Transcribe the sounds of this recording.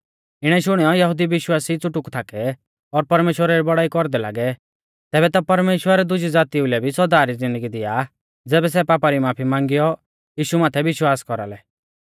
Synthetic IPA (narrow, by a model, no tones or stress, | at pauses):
ɪɽ̃ɛʃʊɽ̃ɛjɔjɐɦʊd̪iʋɪʃwaːsit͡sʊʈʊkt̪ʰaːkɛ | ɔɾpɐɾmeːʃwəɾaɾibɔɽaːikɔɾd̪ɛla̰ːɡɛ | t̪ɛːbɛt̪apɐɾmeːʃwəɾɛd̪ʊd͡ʒid͡zaːt̪iʊlɛbʱisɔd̪aːɾid͡zɪ̃nd̪əɡid̪ɪja | d͡zɛːbɛs̬ɛpaːpaɾimaːpʰimãːŋɡijɔ | jiːʃumaːt̪ʰɛʋɪʃwaːskɔɾa̰lɛ